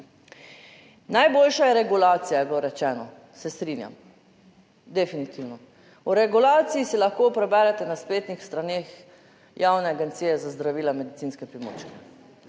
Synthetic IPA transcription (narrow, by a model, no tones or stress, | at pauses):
najboːlʃajɛɾɛɡulaːt̪sijajɛbloɾɛt͡ʃɛːnɔ | sɛst̪ɾinja̰m | d̪ɛfinit̪iwnɔ | ɔɾɛɡulaːt̪sijisilaxkoːpɾɛbɛːɾɛt̪ɛnaspleːt̪nixst̪ɾaneːx | jaːwnɛaɡɛnt̪sijɛzazd̪ɾaʋiːlamɛd̪it̪sinskɛpɾimo̰ːt͡ʃkɛ